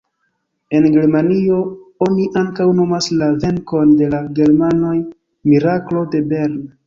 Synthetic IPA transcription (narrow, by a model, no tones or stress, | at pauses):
e̞nɡe̞ɾmanio̞o̞niʔaŋkawno̞maslave̞ŋko̞nde̞laɡe̞ɾmano̞j | miɾaklo̞de̞be̞ɾn